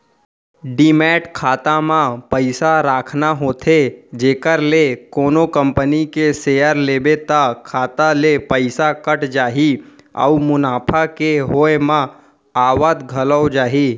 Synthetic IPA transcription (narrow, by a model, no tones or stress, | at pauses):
ɖiːmɛːʈkʰaːt̪amãpəɪsaɾaːkʰnaɦoːt̪ʰed͡ʒeːkəɾlekoːnokə̃mpənikeseːjəɾleːbet̪akʰaːt̪alepəɪsakəʈd͡ʒaːɦi | ɔ̰umʊnaːpʰakeɦoːemã | aːwad̪ɡʱɐləwd͡ʒaːɦiː